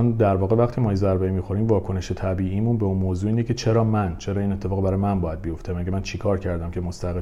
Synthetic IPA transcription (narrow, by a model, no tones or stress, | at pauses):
nd̪æɾvɒːɣe̞væχt̪ʰiːmɒːjezæɾbeimiːxoɾiːmvɒːkʰo̞neʃet̪ʰæbiːimunbeunmoːzuːiːnecʰe̞t͡ʃʰe̞ɾɒːmænt͡ʃʰe̞ɾɒːiːne̞t̪ʰːe̞fɒːɣbæɾɒːjmænbɒːjæd̪̚bijo̞ft̪emæɟemænt͡ʃʰikʰɒːɾcʰæɾd̪æmcʰe̞most̪æɣe